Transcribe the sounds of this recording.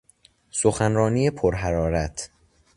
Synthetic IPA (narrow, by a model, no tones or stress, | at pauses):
soxænɾɒːniːjepʰoɾɦæɾɒːɾæt̪ʰ